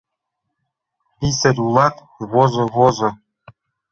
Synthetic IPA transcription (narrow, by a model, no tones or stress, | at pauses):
pʲisɘ̆ɾʲulˠɑt̪ | βozɤ̆βozɤ̆